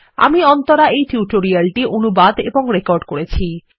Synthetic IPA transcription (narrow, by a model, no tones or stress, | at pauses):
a̰miɔnt̪oɾaejʈʰjuʈoɾialʈiʔonubad̪ḛboŋɾekɔɾɖkoɾet͡ɕʰi